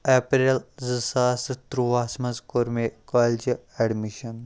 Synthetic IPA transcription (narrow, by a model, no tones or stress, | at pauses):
epɾelzɨsaːst̪ɾuʋaːsmɐzkoɾmekɔld͡ʒeɖmiʃɐn